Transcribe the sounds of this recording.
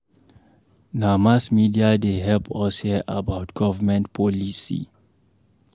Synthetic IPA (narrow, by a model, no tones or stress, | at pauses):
namasmidiadeɦɛlpʰɔshiəʔabaʊtɡ̥ɔvəmɛ̃ntpʰɔlisḭ